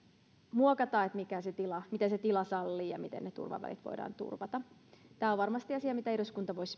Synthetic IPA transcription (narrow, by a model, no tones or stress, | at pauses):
muokɑt̪ɑːet̪mikæset̪ilɑmit̪eset̪ilɑsɑlːiːjɑ̰mit̪ḛnnet̪ṵrʋɑ̰ʋæ̰lḭt̪ʋo̰idɑ̰ːnt̪ṵrʋɑt̪ɑt̪æːoʋʋɑrmɑst̪iɑsiɑmit̪æeruskunt̪ɑʋois